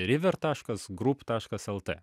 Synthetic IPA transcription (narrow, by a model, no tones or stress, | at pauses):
ɾʲɪʋʲɛɾt̪ɑːʃkɐsɡɾupt̪ɑːʃkɐsɛlˠt̪ɛ̰